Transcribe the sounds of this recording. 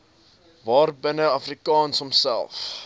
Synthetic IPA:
vɑːrbənəɐfrikɑːnsɔmsæ̰lˠf

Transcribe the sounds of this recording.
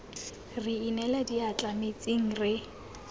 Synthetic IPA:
riinɛlɛdiat͡ɬʼamet͡sʼiŋ̩rɪ

